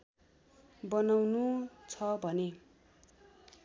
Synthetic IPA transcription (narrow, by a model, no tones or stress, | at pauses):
bʌnawnut͡sʰʌbʱʌne